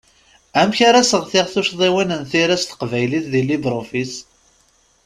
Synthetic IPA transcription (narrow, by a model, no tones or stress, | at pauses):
æmçaɾasəʁθɪʁθuʃðˤiwinənθiɾæst̪ə̥qvæjliθðilibɾˤofis